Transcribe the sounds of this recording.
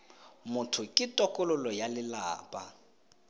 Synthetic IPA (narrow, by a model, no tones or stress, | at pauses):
mʊtʰʊkʼɪtʼɔkʼʊlʊlɔjalɪlaːpʼa̰